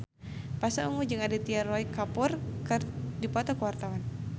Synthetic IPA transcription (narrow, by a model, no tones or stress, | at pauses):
pasaumud͡ʒɨŋadit̪iarɔikapʊrkɨdipɔt̪ɔkəwart̪awan